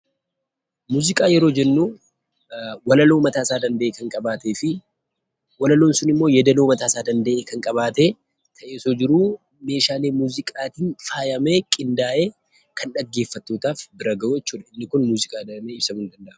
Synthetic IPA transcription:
muːzɪkʼaːjɛɾo̞ːd͡ʒɛnːuː | wɐlɐlo̞ːmɐt̪aːsaːd̪ɐnd̪ɐʔeːkɐŋkʼɐbaːt̪e̞ːfɪ | wɐlɐloːnsʊnɪmːoːjɛd̪ɐloːmɐt̪aːsaːd̪ɐnd̪ɐʔeːkɐŋkʼɐβaːt̪eː | t̪ʰɐʔe̞ːsoːd͡ʒɪɾuː | me̞ːʃaːleːmuːzɪkʼaːt̪iːnfaːjɐme̞ːkʼɪnd̪aːʔe̞ː | kʰɐnᶑɐɡːe̞ːfːɐt̪ːo̞ːt̪aːfbɪɾɐɡɐʔujɛt͡ʃːuːᶑɐɪnːɪkʊnmuːzɪkʼaːd̪ɐmeːɪbsɐmʊnd̪ɐnd̪ɐʔɐ

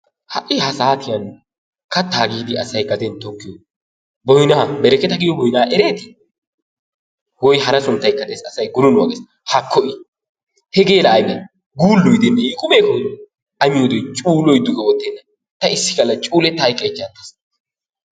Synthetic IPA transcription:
hɐʔɪhɐsaːt̪ɪjɐn | kɐt̪ːaːɡiːd̪ɪɐ̰sɐjɡɐd̪ɛnt̪ɔkːɪjɔ | bɔjnɐbɛɾɛkɛt̪ɐɡɪjɔbɔjnaːʔɛɾe̞ːt̪ɪ̥ | wɔjhɐɾɐsʊnt̪ːɐjkːɐd̪esɐsɐjɡʊɾʊnwɐ̰ɡes | hɐkʰːɔʔɪ | hɛɡe̞ːlɐːjmɛ | ɡuːlːɔjd̪ɛnːɐɪkʼʊmeːkɔd̪ɔ | ɐmɪjʊd̪ɔjt͡ʃʼuːlɔjd̪ʊɡɛwɔt̪ːɛnːɐ | t̪ɐɪsːɪ̥kɐlːɐt͡ʃʼuːlɛt̪ːɐɐjkʼːɐjt͡ʃːɐnt̪ːɐ̥s

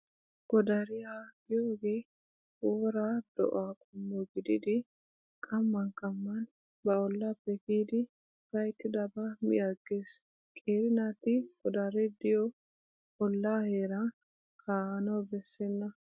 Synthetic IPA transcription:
ɡ̥ɔd̪ɐɾɪjaːɡɪjoːɡeː | woːɾad̪̥ɔ̰ʔaːkʼʊmːɔɡɪd̪ɪd̪ɪ | kʼɐmːɐnkʼɐmːɐn | bɐɔlːapːɛkiːd̪ɪ | kɐjt̪ːɪd̪ɐbɐmɪ̰jaɡeːs | kʼeːɾɪnat̪ɪɡ̥ɔd̪ɐɾɛd̪ɪjɔ | ɔlːaːheːɾɐ | kʰaːnɐwbɛsːɛnːɐ

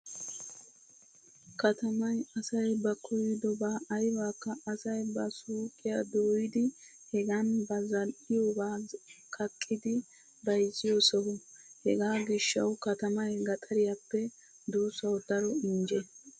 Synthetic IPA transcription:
kɐt̪ɐmɐjɐsɐjbɐkʰɔjɪd̪ɔbaːʔɐjwaːkːɐːsɐjbɐsuːkʼːɪjɐd̪oːjɪd̪ɪ | hɛɡɐnbɐzɐlʔɪjobaːkʰɐkʼːɪd̪ɪ | bɐjzɪjosɔhʊhɛ̰ɡaːɡɪʃːɐ̰wkɐt̪ɐmɐjɡɐt̪ʼɐɾɪjɐpːɛ | d̪uːsɐwd̪ɐɾɔɪnd͡ʒɛ

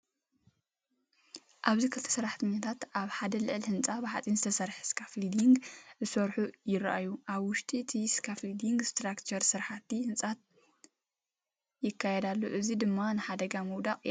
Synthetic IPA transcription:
ʔaβzikʰɨlt̪ʰɐ̥sɐɾaħt̪ʰɐɲːat̪ʰat̪ʔaβħad̪ɐlɨʕlhɨnt͡sʼabɨħat͡sʼinzɨt̪ʰɐsɐɾħskʰaflid̪iŋɡzɨsɐɾħujɪɾʔajuʔaβwʊʃt̪ʼiɨt̪ʰiskʰaflid̪iŋɡst̪ɾakt͡ʃʰɐɾsɨɾħat̪ːihɨnt͡sʼat̪̚ | jɪkʰːajɛd̪alːo̰ʔɨzid̪ɨmːanɨħad̪ɐɡamuwd̪aqʼ

